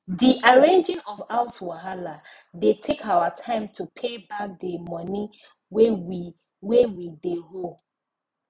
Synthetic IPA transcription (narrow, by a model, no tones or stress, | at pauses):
diʔaɹẽnd͡ʒɪ̃ŋɔvaʊswaɦala | detʰekʰawatʰãɪ̃mtʰupʰebak̚dəmɔni | wewideɦol